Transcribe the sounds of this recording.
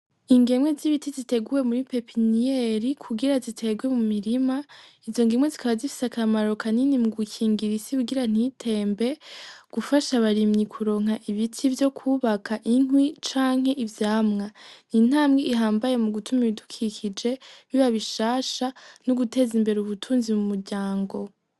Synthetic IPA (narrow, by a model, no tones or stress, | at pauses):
iŋɡe̞mwe̞ziβitizite̞ɡuwe̞muɾipe̞pʰinijeɾikʰuɡiɾazitʰe̞ɡwe̞mumiɾimaizo̞ŋɡimwezikaβazifi̥sakʰamaɾo̞kaninimuɡukʰiːŋɡiɾisikuɡiɾan̥itʰe̞ːmbe̞ɡ̥ufaʃaβaɾimɲikʰuɾo̞ːŋhaʔiβitʰivjo̞kʰuːβakʰaʔin̥wit͡ʃaːŋ̥he̞ʔivjaːmŋanin̥aːmɡiːɦaːmbaje̞muɡutumiβidukʰikid͡ʒe̞βiβaβiʃaːʃanoɡute̞ːzimbe̞ɾeuβutʰuːnzimumuɾɟaːŋɡo̞